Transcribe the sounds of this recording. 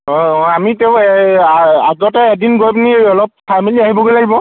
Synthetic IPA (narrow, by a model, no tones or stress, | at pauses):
ɔɔamitɛʊ̃ɛaaɡɔtɛːdinɡojpniɔlɔp̚pʰamiliaɦibɔɡojlaɡibɔ